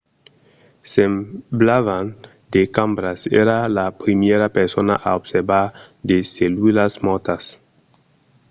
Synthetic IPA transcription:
semblavan | d̪ekambɾasḛɾalapɾimjeɾapeɾsona̰ʔaobseɾbaɾ | d̪eselwilasmot̪as

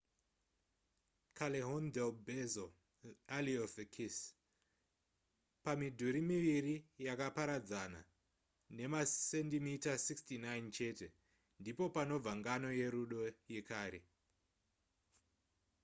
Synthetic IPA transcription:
kʰaleɦondelbezo | aliofekʰis | pamidʱuɾimiʋirijakapaɾad͡zana̰ | ne̞masendimitasikstinajnt͡ʃe̞ːte̞ | ndipo̞pano̞b͡vaŋɡano̞je̞ɾuɗo̞je̞kaːɾe

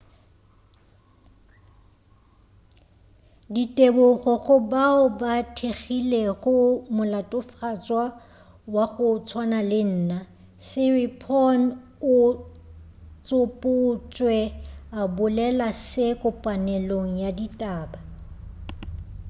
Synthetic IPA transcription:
ditʼebʊɣɔɣʊbaʊbatʰeɣileɣʊmʊlatʼʊfat͡sʼwa | waɣʊt͡sʰwanalɪn̩ːna | sɪripʰɔn | ʊ | t͡sʼʊpʼʊt͡ʃʼwɛabʊlɛlasɪkʼʊpʼanɛloŋ̩jaditʼaːba

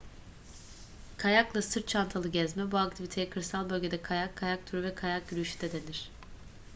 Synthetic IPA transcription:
kʰajaklˠasɯɾt̪̚t͡ʃʰant̪ʰalˠɯɟɛzmɛbuakt̪ʰivit̪ʰe̞jɛkʰɯɾsalˠbø̞lʲɟe̞d̪ɛkʰajakʰːajak̚t̪ʰyɾyvɛkʰajak̚ɟyɾyʃy̥d̪ɛd̪enʲiɾ̥

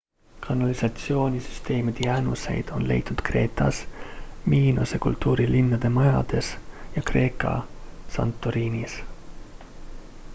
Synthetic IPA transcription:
kʰɑnɑlisɑt̪sio̞ːnʲisy̥st̪e̞ːmid̪̥ejæːnuse̞̰jd̪̥o̞nle̞̰jt̪ːˑud̪̥kre̞ːt̪ˑɑsmiːnusekult̪ːuːɾilinːɑd̪̥e̞mɑjɑd̪̥e̞sjɑkre̞ːkːˑɑ̰sɑ̰nt̪ˑːoɾiːnis

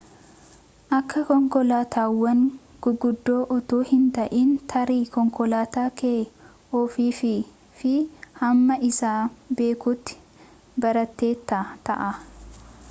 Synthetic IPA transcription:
ʔɐkʰːɐkɔŋkɔlaːt̪ʰaːwːɐŋ | ɡ̥ʊɡʊd̪ːo̞ːʔɔt̪uːhɪnt̪ɐʔiːnt̪ʰɐɾiːkɔŋkɔlaːt̪aːkeː | ɔfiːfɪ | fɪhɐmːɐʔɪsaːbe̞ːkʊt̪ːɪ̥ | bɐɾɐt̪ːe̞ːt̪ːɐt̪ɐ̰ʔɐ

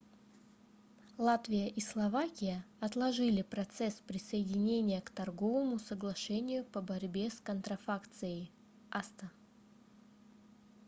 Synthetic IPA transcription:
lˠat̪vʲɪjəʔislˠɐvakʲɪjəɐt̪lˠɐʐɨlʲɪpɾɐt̪sɛspɾʲɪsəjɪdʲɪnʲenʲɪjəkt̪ɐrɡo̞vəmʊsəɡlˠɐʂɛnʲɪjʊpəbɐɾʲbʲe̞skənt̪ɾɐfakt̪sɨjəj | ʔast̪ə

